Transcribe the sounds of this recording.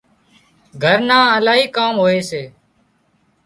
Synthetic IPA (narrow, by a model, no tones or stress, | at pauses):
ɡʱəɾnãːəlaːɦiːkaːmɦoːeːseː